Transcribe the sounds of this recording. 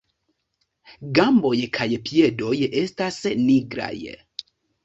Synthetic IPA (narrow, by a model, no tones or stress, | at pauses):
ɡambɔjɛkʰajepʰjɛdojɛʔestasniɡɾa̰jɛ̰